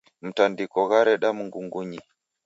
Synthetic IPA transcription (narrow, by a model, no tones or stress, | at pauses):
m̩tandikɔɣaɾɛɗamuŋɡuŋɡuɲi